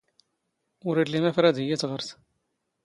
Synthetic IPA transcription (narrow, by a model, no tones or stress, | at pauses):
ʊɾilimæfɾæd̪əjːæt͡sʁəɾθ